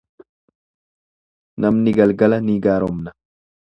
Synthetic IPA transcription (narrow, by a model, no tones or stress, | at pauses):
nɐmnɪɡɐlɡɐlɐniːɡaːɾɔmnɐ